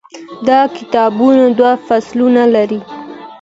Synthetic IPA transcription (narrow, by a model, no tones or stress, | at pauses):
d̪ɑkɪt̪ɑbunad̪wafaslunalaɾi